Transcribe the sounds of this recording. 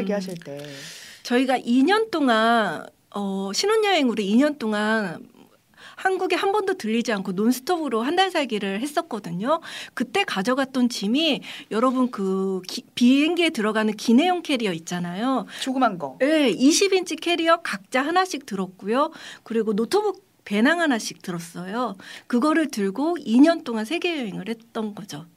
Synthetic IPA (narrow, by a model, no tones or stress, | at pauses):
ɡeɦaɕʰiɭt͈et͡ɕʌiɡaʔiɲʌnt͈oŋan | ʌɕʰinoɲːʌe̞ŋuɾeiɲʌnt͈oŋan | hanɡuɡehambʌndotɯʎːid͡ʑiankʰononsʰɯ̥tʰobɯɾoɦandansʰaɭɡiɾɯɭhe̞s͈ʌk̚k͈ʌdɯɲokɯt͈e̞kad͡ʑʌɡat̚t͈ont͡ɕimijʌɾʌbɯnkɯipieŋɡietɯɾʌɡanɯnkine̞joŋkʰe̞ɾiʌit̚t͡ɕ͈anajot͡ɕoɡɯmanɡʌje̞iɕʰibint͡ɕ͈ʰikʰe̞ɾiʌkak̚t͡ɕ͈aɦanaɕʰik̚tɯɾʌk̚k͈ujokɯɾiɡonotʰobu | pe̞naŋɦanaɕʰi̥k̚t͈ɯɾʌs͈ʌjokɯɡʌɾɯɭtɯɭɡoiɲʌnt͈oŋansʰe̞ɡe̞jeɦeŋɯɭhe̞t̚t͈ʌnɡʌd͡ʑo